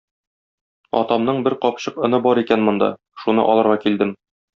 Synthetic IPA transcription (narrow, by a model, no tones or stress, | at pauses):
ɒ̰t̪ɑmnɤɴbɘɾqɒpɕɤqɤ̆nɤbɒɾikænmŏnd̪ɑ̰ | ʃunɤ̰ʔɒlˠɤ̆ɾʁɑkild̪ɘm